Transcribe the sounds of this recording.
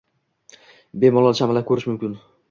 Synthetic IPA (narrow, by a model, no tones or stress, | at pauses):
bemɒlˠɒlˠt͡ʃʰamalakʲʰɵɾɪʃmʊmkʲɪn